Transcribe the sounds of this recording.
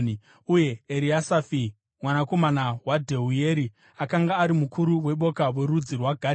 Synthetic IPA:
uje̞ːɾiasafi | mwanako̞manawadʱe̞ɦuje̞ɾi | akaŋɡaːɾimukuɾuwe̞ɓo̞kawe̞ɾud͡zirwaɡʱa

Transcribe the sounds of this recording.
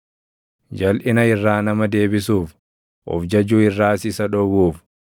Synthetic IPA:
d͡ʒɐlʔɪnɐɪrːaːnɐmɐd̪e̞ːbɪsuːf | ʔɔ̰fd͡ʒɐd͡ʒuːɪrːaːsɪsɐᶑɔɡuːf

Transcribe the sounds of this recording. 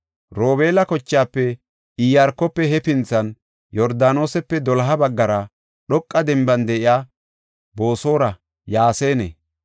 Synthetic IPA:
ɾoːbe̞ːlɐkɔt͡ʃːaːpːɛ | ijaɾkːɔpːɛɦɛpɪnt͡sɐn | jɔɾd̪aːno̞ːsɛpːɛd̪ɔlɐɦɐbɐɡːɐɾɐ | ɗɔkʼːɐd̪ɛmbɐnd̪ɛʔɪjaː | bo̞ːso̞ːɾɐ | jaːse̞ːnḛ

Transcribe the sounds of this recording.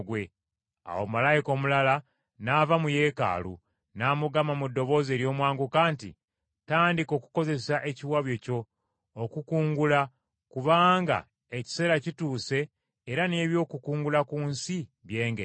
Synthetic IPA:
ɡwe̞ | a̰wo̰malajiko̞ːmulala | navamuje̞ka̰ːlṵ | naːmuɡamamudːo̞βo̞ːze̞ːɾjo̞ːmwaːŋɡukaːntḭ | taːndiko̞ːku̥ko̞ze̞saʔe̞ciwaβjo̞co̞ː | kukuːŋɡula | kuβaːŋɡa̰ | eci̥se̞ɾacituːse̞ː | ɾane̞ːβjo̞ːkukuːŋɡulakuːnsiβje̞ːŋɡe

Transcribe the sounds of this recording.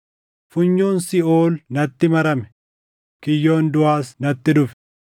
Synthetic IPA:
fʊɲːuːnsɪoːlnɐt̪ːɪmɐɾɐmɛ | kɪjːo̞ːnd̪ʊaːsnɐt̪ːɪd̪ʊfɛ̥

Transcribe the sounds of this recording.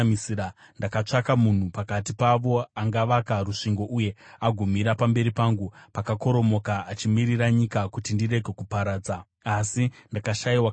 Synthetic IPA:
misiɾa | ndakat͡ʂakamun̤upakatipaʋo̞aŋɡaʋakaruʂiŋɡo̞ʔuje̞aɡʱumiɾapambe̞ɾipaŋɡupakako̞ɾo̞mo̞kaːt͡ʃimiɾiɾaɲikakutindire̞ɡʱe̞kupaɾaːd͡za | asindakaʃaiwa

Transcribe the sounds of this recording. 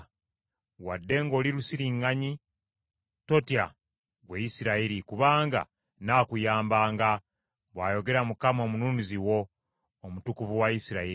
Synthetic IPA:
wadːe̞ŋɡo̞ːliɾusiɾiŋːaɲi | to̞tja | ɡweisiɾaiɾikuβaːŋɡa̰ | naːkujaːmbaːŋɡa | βwaːjo̞ɡe̞ɾamukamomununiziwo̞ː | mutukuvuwaisiɾai

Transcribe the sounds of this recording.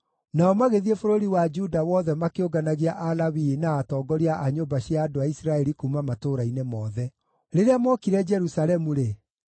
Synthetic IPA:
naɔmaɣeðiefoɾoɾiwad͡ʒudawɔðɛmakeoɡanaɣiaʔalawinaːtɔːɡɔɾiaʔaɲombaɕjaːdoaisɾaɛɾikumamatoɾainemɔːðɛ | ɾeɾeamɔkiɾɛd͡ʒɛɾusalɛmuɾe

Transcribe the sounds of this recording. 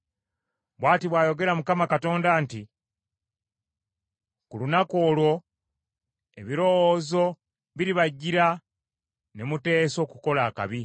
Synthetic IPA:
βwaːtiβwaːjo̞ɡe̞ɾamukamakato̞ːndaːnti | kulunako̞ːlwo̞ | e̞̰βiɾo̞woːzo̞ | βiɾiβaɟːiɾa | ne̞mute̞ːso̞ːkuko̞laːka̰βi

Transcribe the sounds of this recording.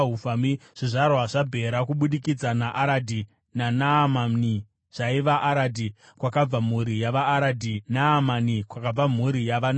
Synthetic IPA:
ɦufamiʐ̥iʐarwaʐabʱe̞ɾakuɓuɗikid͡zanaʔaɾadʱi | nanamani | ʐ̥aiʋaʔaɾadʱi | kwakab͡vam̤uɾijaʋaːɾadʱinaːmanikwakab͡vam̤uɾijaʋan

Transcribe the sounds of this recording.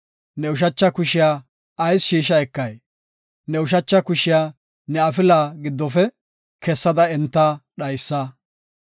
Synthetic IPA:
nɛʊʃ̬ɐt͡ʃːɐkʊʃɪjaː | ɐjsʃiːʃɐɛkːɐj | nɛʊʃ̬ɐt͡ʃːɐkʊʃɪjaː | nɛɐfɪlaːɡɪd̪ːɔfɛ | kɛsːɐd̪ɐɛnt̪ːɐɗɐjsːɐ

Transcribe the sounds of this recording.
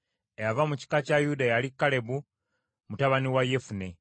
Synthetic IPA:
ejavamuci̥kacajudajalikːale̞bu | mutaβaniwaje̞fune̞

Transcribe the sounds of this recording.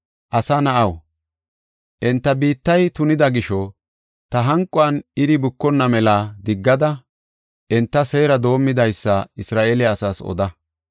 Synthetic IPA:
ʔɐsɐnɐʔɐw | ʔɛnt̪ːɐbiːt̪ːɐjt̪ʊnɪd̪ɐɡɪʃɔ | t̪ɐɦɐŋkʼːʊɐnɪɾɪbʊkːɔnːɐmɛlaːd̪ɪɡːɐd̪ɐ | ʔɛnt̪ːɐseːɾɐd̪o̞ːmːɪd̪ɐjsːɐɪsɾaːʔelɪɐsaːsɔ̰d̪ɐ

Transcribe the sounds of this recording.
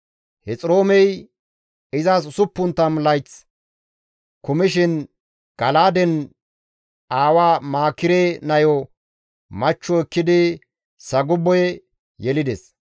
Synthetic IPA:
hɛt͡sʼɾo̞ːmɛj | ɪzasʊsʊpːʊnt̪ːɐmlɐjt͡s | kʊmɪʃɪn | ɡ̥ɐlaːd̪ɛn | ʔaːwaːmaːkːɪɾeːnɐjɔ | mɐt͡ʃːɔɛkːɪd̪ɪ | sɐɡʊbːɔjɛ | jɛlɪd̪ɛs

